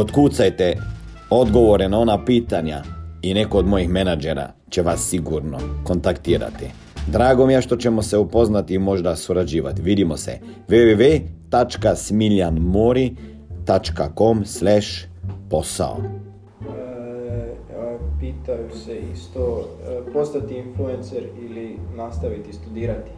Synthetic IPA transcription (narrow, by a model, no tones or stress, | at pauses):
ot̪kut̪sajt̪e | o̞d̪ɡoʋoɾenao̞napiːt̪aɲainekoːd̪mo̞jixmenad͡ʒeɾa̰ | t͡ʃeʋasːiɡuɾnoko̞nt̪akt̪iːɾa̰t̪ḭ | d̪ɾaːɡo̞mijeʃt̪o̞t͡ɕemoseupo̞znat̪iːmo̞ʒd̪asuɾad͡ʒiːʋa̰t̪iʋid̪imosɛ̰ʋeʋeʋet̪at͡ʃkasmiʎanmoɾi | t̪at͡ʃkako̞mslɛʃpo̞sa̰o̰ | piːt̪ajuseist̪opost̪at̪iinfluenseɾilinast̪aʋit̪ist̪ud̪iːɾat̪i̥